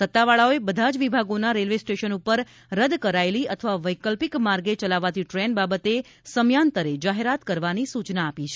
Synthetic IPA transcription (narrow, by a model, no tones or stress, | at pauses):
sət̪ːaʋaɭaoebəd̪ʱad͡ʒʋibʱaɡonaɾelʋesʈeʃənupəɾ | ɾəd̪kəɾaeliət̪ʰəʋaʋəjkəlpikmaɾɡet͡ʃəlaʋat̪ʰiʈɾenbabət̪e | səmjant̪əɾed͡ʒaɦeɾat̪kəɾʋanisut͡ʃnaːpit͡ʃʰe